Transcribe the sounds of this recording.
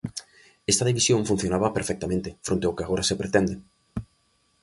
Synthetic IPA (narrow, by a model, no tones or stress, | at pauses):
est̪aðiβisjõɱfun̟θjonaβɐpeɾfɛk̚t̪amẽnt̪ɪfɾõnt̪eʊkeaɣoɾasepɾet̪ɛnd̪e